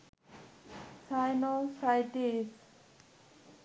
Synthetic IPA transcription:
sajnosajʈis

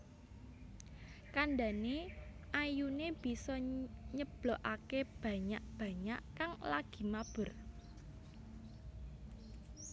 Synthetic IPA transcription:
kanɖaneʔajuneb̥i̤sɔɲəb̥loʔakeb̥ä̤ɲaʔb̥a̤ɲaʔkaŋlaɡ̥i̤mab̥ʊ̤r

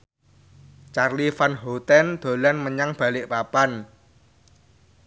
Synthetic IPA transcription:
t͡ʃarlifanɦot̪ɛnd̪̥o̤lanməɲaŋb̥a̤lɪʔpapan

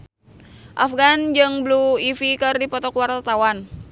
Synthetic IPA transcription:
ʔafɡand͡ʒɨŋbluifikɨrdipɔt̪ɔkuwart̪at̪awan

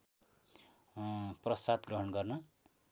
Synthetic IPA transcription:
prʌsad̪ɡrʌɦʌnɡʌrnʌ

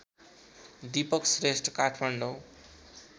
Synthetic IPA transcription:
d̪ipʌksresʈkaʈʰmaɳɖo

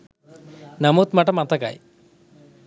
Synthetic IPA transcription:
namut̪maʈɐmat̪aka̰j

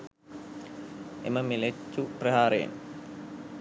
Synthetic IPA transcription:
ḛməmilet͡ʃːuprəɦaːɾeḛn

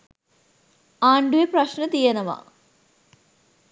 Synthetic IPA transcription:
aːɳɖueprɐɕnɐt̪ijɐnɐma̰

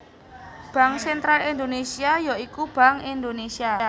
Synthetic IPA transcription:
b̥a̤ŋsɛnt̪ɾalind̪onesiajoikub̥a̤ŋind̪onesia

